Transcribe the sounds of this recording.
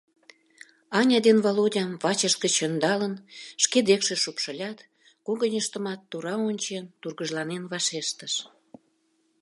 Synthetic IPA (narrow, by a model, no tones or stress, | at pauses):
ɑnʲɑd̪envolodʲɑmvɑt͡ɕəʃkə̆t͡ɕənd̪ɑlənʃked̪ekʃĕʃupʃə̆lʲɑt̪ | koɣənʲəʃt̪ə̆mɑt̪ːuɾɑonʲt͡ɕent̪urɣəʒlɑnenβɑʃeʃt̪əʃ